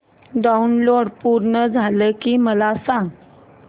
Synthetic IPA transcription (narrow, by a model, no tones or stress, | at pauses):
ɖaunloɽpuɾɳəd͡zʱaləkiːməlasãŋɡ